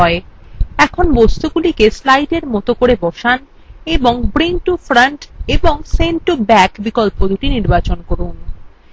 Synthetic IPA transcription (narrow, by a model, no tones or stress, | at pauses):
ɔeɛkʰonbost̪uɡulikeslajɖeɾmɔt̪okoɾebɔʃan | eboŋbɾinʈufɾaɳʈeboŋsenʈubɛkbikolpod̪uʈiniɾbat͡ɕonkoɾun